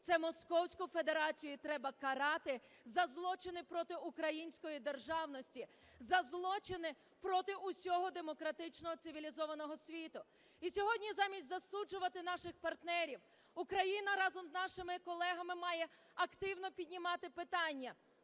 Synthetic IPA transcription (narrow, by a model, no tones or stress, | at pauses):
t̪sɛmɔskɔwsʲkʊfe̞d̪e̞ɾɑt͡sʲijʊit̪ɾɛbɐkɐɾɑt̪ɪ | zɐzlˠɔt͡ʃɪnɪpɾɔt̪ɪukɾɐjinʲsʲkɔjid̪erʒɑwnɔsʲtʲi | zɐzlˠɔt͡ʃɪnɪ | pɾɔt̪ɪʔʊsʲɔɦɔd̪emɔkɾɐt̪ɪt͡ʃnɔɔt̪sɪʋʲilʲizɔʋɐnɔɦɔsʲʋʲit̪ʊ | isʲɔɦɔdʲnʲizɑmʲisʲtʲzɐsud͡ʒʊʋɐt̪ɪnɑʃɪxpɐrt̪nɛɾʲiw | ukɾɐjinɐɾɑzɔmznɑʃɪmɪkɔlˠɛɦɐmɪmɑjɛ | ɐkt̪ɪwnɔpʲidʲnʲimɑt̪ɪpɪt̪ɑnʲːɐ